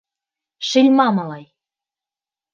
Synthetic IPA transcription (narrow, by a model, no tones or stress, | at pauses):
ʃilʲmɑmɑlˠɑj